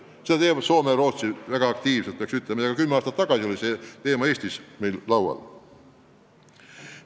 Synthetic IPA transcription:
sed̪̥ɑt̪eːmɑso̞ːmeɾo̞ːt̪sivæɡ̥ɑɑk̚t̪iːvset̪pɑksyt̪ˑlemɑjɑkɑkymːeɑːst̪ɑt̪ːɑɡ̥ɑsio̞lʲise̞t̪e̞ːmɑe̞ːsʲt̪isme̞jllɑwwɑ̰l

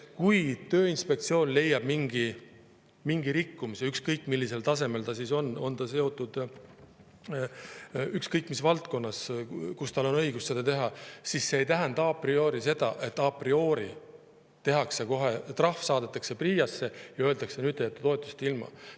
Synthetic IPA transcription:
kujt̪ø̞ːinspe̞k̚t̪sio̞ːnle̞jːɑb̥miŋɡ̥i | miŋɡ̥iɾikːumisiykskɤjkːˑmilːise̞lt̪ɑse̞me̞lt̪ɑsiso̞nːo̞nt̪ɑse̞o̞t̪ːˑud̪̥ | ykskɤjkːˑmisvɑlt̪ko̞nːɑskust̪ɑlo̞nɤ̞jɡusse̞d̪ɑt̪e̞ɦɑsisse̞ːjt̪æɦænd̪̥ɑɑprio̞ːɾise̞d̪̥ɑ̰ʔe̞t̪ːˑɑprio̞ːɾi | t̪e̞ɦɑkse̞ko̞ɦe̞t̪rɑhfsɑːd̪̥et̪ːˑɑkse̞priːjɑsːe̞jɑøːld̪ɑksenyːd̪̥̚ejɑt̪ːˑut̪o̞et̪ːˑu̥st̪ilmɑ̰

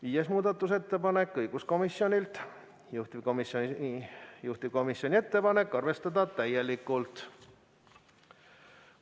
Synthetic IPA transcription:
viːjesmuːd̪̥ɑt̪ːˑus̬e̞t̪ːe̞pɑne̞kːˑɤjɡ̥usko̞misjo̞nʲilt̪ | juht̪ib̥komisjon | juht̪ib̥̚ko̞misjo̞nʲie̞t̪ːe̞pɑne̞kːˑɑrve̞st̪ɑd̪ɑt̪æje̞likːˑult̪

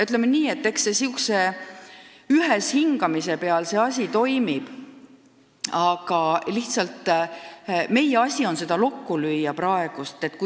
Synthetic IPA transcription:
yt̪ːˑlemːeniːe̞t̪ːe̞ksːesiukse | yɦeshiŋɡ̥ɑmise̞pe̞ɑlse̞ːɑsʲit̪o̞jmib̥ | ɑɡ̥ɑliht̪sɑlt̪ːˑ | me̞jeɑsʲio̞nse̞d̪ɑlo̞kːulyjːɑpɾɑe̞ɡ̥ust̪e̞t̪ːku

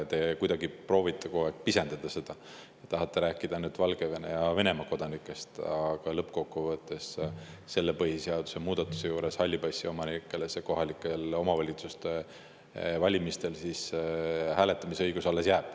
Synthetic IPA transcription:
t̪e̞kujd̪ɑɡipro̞ːvit̪ːˑekoekpisend̪̥ɑd̪̥ɑse̞d̪̥ɑ | ɑt̪ɑɦɑt̪ːe̞ɾæːkːˑid̪ɑnyd̪vɑlɡ̥e̞venejɑve̞ne̞mɑko̞d̪̥ɑnikːˑe̞st̪ɑɡ̥ɑlɤpːkokːuvɤt̪ːˑe̞s | se̞lːepɤhiseɑd̪̥u̥se̞muːd̪̥ɑt̪ːˑu̥se̞juːɾe̞shɑlʲːibɑjsːio̞mɑnikːˑeleseko̞ɦɑlikːˑelo̞mɑvɑlʲit̪sust̪e | vɑlʲimist̪e̞lsishæːle̞t̪ːˑɑmisɤjɡ̥usɑlːe̞sjæːb̥

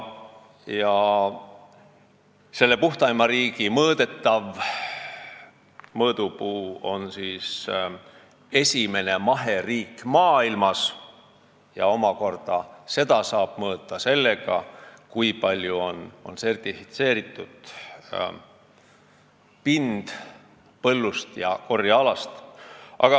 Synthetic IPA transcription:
jɑ | se̞lːe̞puht̪ɑjmɑɾiːɡ̥imɤːd̪̥e̞t̪ˑːɑv | mɤːd̪̥upuːo̞nsiːs | e̞sʲime̞ne̞mɑɦe̞riːkːmɑːilmɑs | jɑ̰o̞mɑko̞rd̪̥ɑse̞d̪̥ɑsɑːb̥mɤːt̪ːˑɑse̞lːe̞ɡ̥ɑ̰kujpɑlʲjuo̞no̞̰nse̞rt̪ifit̪se̞ːɾit̪ˑːud̪̥ | pind̪̥ | pɤ̞lːust̪jɑ̰ko̞rjɑɑlɑst̪ʔɑ̰ɡ̥ɑ

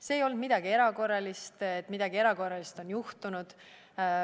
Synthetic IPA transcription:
seːjo̞lnd̪mid̪̥ɑɡ̥ie̞ɾɑko̞rːɑlist̪et̪ːˑmid̪̥ɑɡ̥ie̞ɾɑko̞rːɑlist̪o̞njuht̪unud̪̥

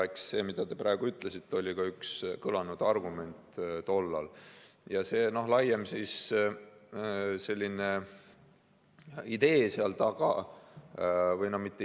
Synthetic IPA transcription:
eksːe̞ːmid̪̥ɑt̪e̞pɾæe̞ɡ̥uyt̪ːˑlesit̪ːˑeolʲikɑykskɤlɑnud̪̥ɑrɡ̥ume̞nt̪t̪o̞lːɑ̰ljɑse̞ːno̞ɦlɑjːemsis | se̞lʲːine̞ | id̪e̞ːseɑlt̪ɑɡ̥ɑ̰ | vɤjnohmit̪ːˑe

